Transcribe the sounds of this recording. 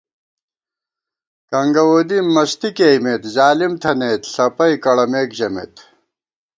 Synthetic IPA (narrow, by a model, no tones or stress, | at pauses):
kɐŋɡɐwoːd̪imɐɕt̪ikejmeːt̪zaːlimt̪ʰɐneːt̪ɬɐpɐjkɐɽɐmeːkʑɐmḛt̪